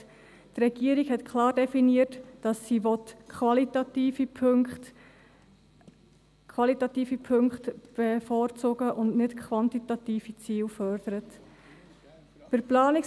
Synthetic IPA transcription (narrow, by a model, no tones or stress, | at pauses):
t̪rɛɡ̥iəɾikhɛtkχlɑːrdɛfiniərtd̥ɑsːiʋɔtkʰvɑlitɑt̪iːfipʰt | kʰwɑlitɑt̪iːfipʰɵŋkχtb̥efɔːɾt͡sʊɡəʔʊndnɪtkʰʋɑntitɑt̪iːfit͡siːlfœɾd̥əɾət | pəɾplɑːnɪk